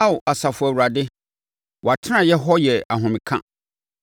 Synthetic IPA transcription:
a˦wʊ˨a˨sa˨fʊ˨a˨wu˨ɾa˨dɪ˦ | wɔ˨a˨tʰɪ˦nã˨jɛ˦ɦɔ˦jɛ˨a˨ɦʊ̃˨mɪ̃˨kʰã̰˦

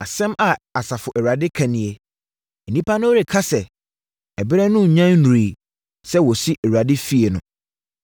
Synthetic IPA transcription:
a˨sɛ̃˦mʔa˨a˨sa˨fʊ˨ʔɛ˨wɥa˨dɪ˦kʰã˨nɪ̃˨e˨ | ɛ˨nĩ˦pʰa˦nʊ̃˦o˦ɾe˨kʰa˦sɛ˨ | ɛ˨bɪ˦ɾɛ˦nʊ̃˦˨ɲã˦nːũ˨ɾi˨ | sɛ˦wɔ˨si˦ʔɛ˨wa˨dɪ˦fi˦e˨nʊ̃˨

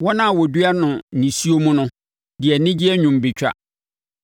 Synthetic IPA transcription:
wɔ˦nã˦˨wɔ˨dɥa˦nʊ̃˨nĩ˨si˦o˦mũ˦nʊ̃˦ | dɪ˨ɛ˨nɪ̃˦d͡ʑi˦ɛ˦ɲᶣũ˨mbi˨t͡ɕᶣa̰˦˨

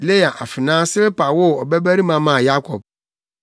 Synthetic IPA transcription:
le˦ja˨ʔa˨fɪ˨nãː˦sɪ˦ɾe˦pa˨wʊ˦ɔ˨bæ˦bæ˦ɾi˦mã˨mã˨ja˦kʰɔ˨b̚

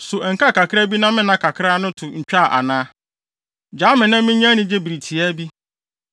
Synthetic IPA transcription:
sʊ˨ʔɛ˨ŋ̩˨ka˦˨ka˨kʰɪ˦ɾa˦bi˦nã˦mɪ̃˦nã˦kʰa˨kʰɾa˦nʊ̃˦tʰʊ˨ɲ̩˨t͡ɕᶣa˦˨ʔa̰˨nãː˦ | d͡ʑaː˨˦mɪ̃˨nã˦mmɪ̃˦ɲ˦ã˦nɪ̃˦d͡ʑe˦bi˨ɾi˨tʰi˨æ˦bi˦

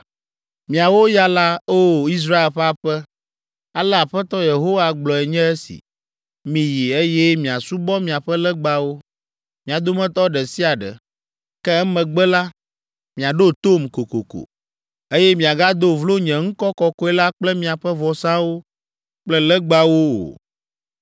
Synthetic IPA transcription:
mĩ˨a˨wo˦ja˦la˦o˦i˦s̬ɾa˦e˨lɸɛ˦a˨ɸɛ˦ | a˦lɛ˦a˨ɸɛ˦t̪ɔ˦je˨ɦo˦wa˨ɡ͡blɔ˨ɛ˨ɲɛ̃˦ɛ˦sḭ˨ | mĩ˨ji˨e˦je˦mĩ˨a˨su˦bɔ˦mĩ˨a˨ɸɛ˦lɛ˦ɡ͡ba˦wo˦ | mĩ˨a˨d̪o˦mɛ̃˦t̪ɔ˦ɖɛ˨si˦a˨ɖɛ̰˨ | kɛ˦ɛ˦mɛ̃˨ɡ͡bɛ˦la˦ | mĩ˨a˨ɖo˦t̪o˦˨mko˨ko̰˨ko̰˨ | e˦jɛ˦mĩ˨a˨ɡa˦d̪o˦vlo˦ɲɛ̃˨ŋ̩˦kɔ˦kɔ˦kɔ˦ɛ˦la˦k͡plɛ˦mĩ˨a˨ɸɛ˦vɔ˨sã˦wo˦ | k͡plɛ˦lɛ˦ɡ͡ba˦wo˦o̰˨

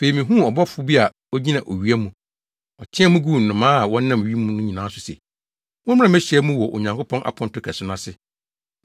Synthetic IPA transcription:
fe˨i˨mĩ˨ɦũ˦ɔ˨bɔ˦fʊ˦bi˦a˨ | ɔ˦ɲi˦nã˨ʔo˨ɥi˨˦æ˦mũ˨ | ɔ˨t͡ɕʰɪ̃˦ɛ˦mũ˦ɡu˦˨nʊ̃˨mãː˦a˨wɔ̃˦n˦nã˦˨m˨ɥi˦mũ˦nʊ̃˦ɲĩ˨nãː˨˦sʊ˨sɛ̰˨ | mʊ̃˦m˦ã˦mɛ̃˦ɕᶣɛ˦mũ˦wɔ˨ʔo̰˨ɲã˨ŋkʰo˦pʰɔ̃˦nʔa̰˨pʰɔ̃˦ntʊ˦kʰæ˨sʊ˦n˦ã˨sɪ˦

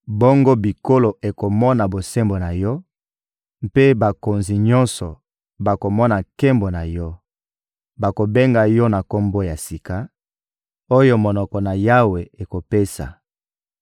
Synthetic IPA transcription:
bo˦ŋɡo˦bi˨ko˦lo˨ʔe˨ko˨mɔ˦na˨bo˨se˦mbo˨na˨jɔ˦ | mpe˦ba˨ko˨nzi˨ɲɔ̃˦nsɔ˨ | ba˨ko˨mɔ˦na˨ke˦mbo˨na˨jɔ˦ | ba˨ko˨be˦ŋɡa˨jɔ˦na˨ko˦mbo˦ja˨si˨ka˨ | o˦jo˦mo˨nɔ˨kɔ˨na˨ja˦we˨e˨ko˨pe˦sa̰˨

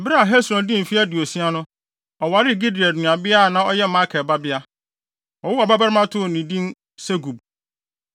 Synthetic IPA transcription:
ɛ˨bɪ˦ɾa˦a˨ɦɛ˦sɾɔ̃˨ndɪ̃˦m̩˨fi˦æ˦dɪ˨o˨sĩ˦a˦nʊ̃˦ | ɔ˨wa˨ɾɪ˦˨ɡi˦di˨a˨dnũ˨a˨bɪ˦a˦˨nã˦ɔ˦jɛ˦ma˦kʰɛ˨ba˦bɪ˦a˦ | ɔ˨wʊ˦a˨ba˦ba˦ɾɪ˦mã˦tʰʊ˦˨nĩ˨dĩ˦n | sɛ˦ɡu˨b̚

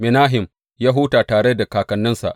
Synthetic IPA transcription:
mɪ˨naː˦ɦɪ˨m | jaː˦ɦu˦taː˨taː˨ɽe˦da˨kaː˨kɐ˨nːɪ˦nsa̰˨ʔ

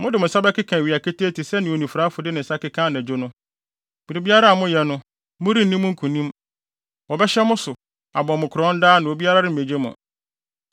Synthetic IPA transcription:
mʊ̃˦dɪ˨mʊ̃˨sa˦bɛ˦kɪ˦kʰã˨ɥi˨a˨kʰe˦tʰeː˦tʰi˨sɛ˦nɪ̃˨o˨nĩ˨fu˨ɾa˨˦fʊ˨dɪ˦nɪ̃˨sa˦kɪ˦kʰã˦n˨æ̃˨d͡ʑo˦nʊ̃˦ | bi˨ɾi˨bi˦a˦ɾa˦a˨mʊ̃˦jɛ˨nʊ̃˦ | mʊ̃˦ɾi˦˨nĩ˦mːʊ̃˦ŋ̩˦kʰũ˨nĩ˦m | wɔ˨bɛ˦ɕɛ˦mʊ̃˦sʊ˨ | a˨bɔ̃˨mʊ̃˨kʰʊ˨ɾɔ̃˦n̩˦daː˦nʊ̃˨o˨bi˦a˦ɾa˦ɾɪ˦m̩˨e˨d͡ʑe˦mʊ̰̃˨

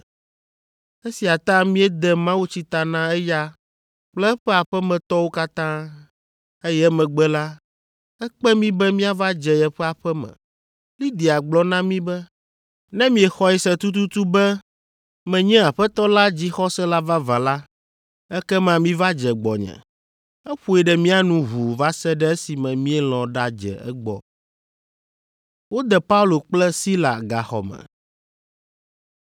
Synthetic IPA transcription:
ɛ˦si˨a˨t̪ã˦mĩ˦ɛ˦d̪ɛ˨mã˦wu˦t͡ɕi˦t̪a˨nã˦ɛ˦ja˦ | k͡plɛ˦ɸɛ˦a˨ɸɛ˦mɛ̃˨t̪ɔ˦wo˦ka˦t̪ã˦ | e˦jɛ˦mɛ̃˨ɡ͡bɛ˦la˦ | ɛ˦k͡pɛ˦mĩ˦bɛ˦mĩ˦a˦va˦d͡ʒɛ˨ɛ˨ɸɛ˦a˨ɸɛ˦mɛ̰̃˨ | li˦d̪i˨a˨ɡ͡blɔ˦nã˦mĩ˦bɛ˦ | nɛ̃˦mĩ˨ɛ˨xɔ˦ɛ˨sɛ˨t̪u˦t̪̬u˦t̪u˦bɛ˦ | mɛ̃˨ɲɛ̃˦a˨ɸɛ˦t̪ɔ˦la˦d͡ʑi˦xɔ˦sɛ˦la˦va˦va˨la˦ | ɛ˦kɛ˦mã˦mĩ˦va˦d͡ʒɛ˨ɡ͡bɔ˨ɲɛ̰̃˨ | ɛ˦ɸu˦ɛ˨ɖɛ˨mĩ˦a˨nũ˦ɦu˨va˦sɛ˦ɖɛ˦e˦si˨mɛ̃˨mĩ˦ɛ˦l̃ɔ̃˨ɖa˦d͡ʒɛ̰˨ɛ̰˦ɡ͡bɔ̰˨ | wo˦d̪ɛ˨pa˦u˦lo˨k͡plɛ˦si˦la˨ɡa˨xɔ̰˨mɛ̰̃˨

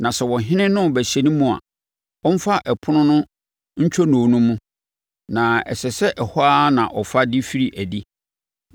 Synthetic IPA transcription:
nã˨sɛ˨wɔ̃˨ɦɪ̃˦nɪ̃˦nʊ̃˦˨bæ˨ɕɛ˨nĩ˦mũ˦a̰˨ | ɔ˦m̩˦fa˦ʔɛ˨pʰʊ˦nʊ̃˦nʊ̃˦ | ɲ̩˦t͡ɕʰᶣɔ˦nʊ̃˨nʊ̃˦mũ˦ | nã˨ɛ̰˨ɕɛ˨sɛ˦ʔɛ˨hɔ˦a˦nã˨ʔɔ˨fa˦di˦fi˦ɾi˨ʔæ˨di˦

